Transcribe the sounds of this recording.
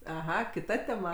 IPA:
ɐˈɣɐ kʲɪˈtɐ tʲɛˈmɐ

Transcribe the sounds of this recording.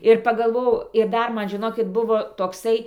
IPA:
ɪr pɐɡɐlˠˈʋoːjɛʊ ɪr ˈdɐr ˈmɐn ʒʲɪˈnoːkʲɪt ˈbʊʋoː toːkˈsɐɪ

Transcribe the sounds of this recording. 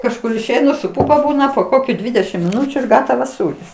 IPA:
kɐʃˈkʊr ɪʃʲˈɛɪnʊ sʊ ˈpʊpɐ ˈbuːnɐ poː ˈkoːkʲʊ ˈdʲʋʲɪdʲɛʃʲɪm mʲɪˈnʊt͡ʃʲʊ ɪr ˈɡɑːtɐʋɐs ˈsuːrʲɪs

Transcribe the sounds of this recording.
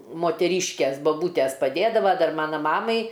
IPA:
moːtʲɛˈrʲiːʃʲkʲeːs bɐˈbuːtʲɛs pɐˈdʲeːdɐʋɐ ˈdɐr ˈmɑːnɐ ˈmɑːmɐɪ

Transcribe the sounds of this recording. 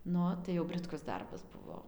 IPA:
nʊ ˈoː tɐɪ jɛʊ bʲrʲɪtˈkʊs ˈdɐrbɐs ˈbʊʋoː

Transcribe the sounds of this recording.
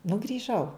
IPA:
nʊ ɡrʲiːˈʒɐʊ

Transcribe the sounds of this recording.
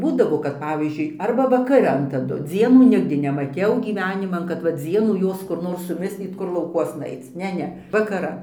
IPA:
ˈbuːdɐʋoː kɐt ˈpɑːʋʲiːzʲd͡ʒʲʊɪ ˈɐrbɐ ʋɐkɐˈrɐn tɐˈdʊ ˈd͡zʲiɛnuː ˈnʲɪɡdʲɪ nʲɛmɐˈtʲɛʊ ɡʲiːˈʋʲæːnʲɪmɐn kɐt ʋɐ ˈd͡zʲiɛnuː ˈjoːs kʊr ˈnoːr sʊˈmʲɪsʲlʲiːt ˈkʊr lˠɐʊkˈuɔsnɐ ˈɐɪt͡s ˈnʲɛ ˈnʲɛ ʋɐkɐˈrɐn

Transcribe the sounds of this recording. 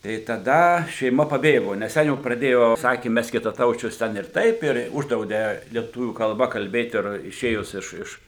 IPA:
tɐɪ tɐˈdɐ ʃʲɛɪˈmɐ pɐˈbʲeːɡoː nʲɛs ˈtʲɛn jɛʊ prɐˈdʲeːjoː ˈsɑːkʲeː ˈmʲɛs kʲɪtɐˈtɐʊt͡ʃʲʊs ˈtʲɛn ɪr ˈtɐɪp ɪr ˈʊʒdrɐʊdʲeː lʲiɛˈtʊʋʲuː kɐlˠˈbɐ kɐlʲˈbʲeːt ɪr ɪˈʃʲeːjʊs ɪʃ ˈɪʃ

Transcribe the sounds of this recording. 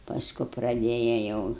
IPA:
pɐsˈkʊ prɐˈdʲeːjɛ jɛʊ

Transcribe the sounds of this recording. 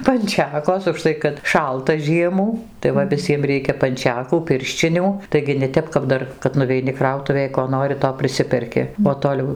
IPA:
pɐnʲˈt͡ʃʲæːkoːs ʊʃˈtɐɪ kɐt ˈʃɐlˠtɐ ˈʒʲiɛmuː tɐɪ ˈʋɐ ʋʲɪˈsʲiɛm ˈrʲɛɪkʲɛ pɐnʲˈt͡ʃʲæːkuː ˈpʲɪrʲʃʲt͡ʃʲɪnʲuː tɐɪɡʲɪ nʲɛ ˈtʲɛp kɐp ˈdɐr kɐt nʊʋʲɛɪˈnʲɪ ˈkrɐʊtʊʋʲeːj koː ˈnoːrʲɪ toː pʲrʲɪˈsʲɪpʲɛrʲkʲɪ oː toːˈlʲɛʊ

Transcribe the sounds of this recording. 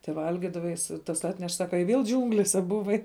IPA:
tʲɛˈʋɐlʲɡʲɪdɐʋɐ jɪs tɐs ˈɑːtʲnʲɛʃ ˈsɑːkɐ ɪ ʋʲeːlˠ ˈd͡ʒʲuːŋɡlʲeːsʲɛ bʊˈʋɐɪ

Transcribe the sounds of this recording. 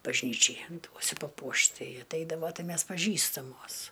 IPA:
bɐʒʲˈnʲiːt͡ʃʲɛɪ ˈduɔsʲʊ pɐˈpuɔʃt ˈtɐɪ ɐtʲˈɛɪdɐʋoː ˈtɐɪ ˈmʲɛs pɐˈʒʲiːstɐmoːs

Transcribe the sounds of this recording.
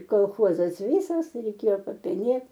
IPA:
koːlˠˈxoːzɐs ˈʋʲiːsɐs rʲɛɪˈkʲeːjoː pɐpʲɛˈnʲeːt

